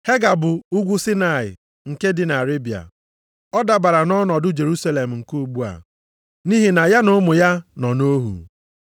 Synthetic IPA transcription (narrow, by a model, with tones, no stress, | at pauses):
he˦ɡa˨bʊ˨ʊ˦ɡʷu˦si˦na˨ɪ̰˨ | ŋ̩˨ke˦dɪ˨na˨ɾe˦bi˨a̰˨ | ɔ˦da˨ba˨ɾa˨nɔ˦nɔ˨dʊ˦d͡ʒe˨ɾu˦sa˦le˨m̩˨ŋ̩˨ku˦u˨ɡ͡bu˦a̰˨ | ni˦ɦi˨na˨ja˦nʊ˦mʊ˨ja˦nɔ˨no˦ɦṵ˨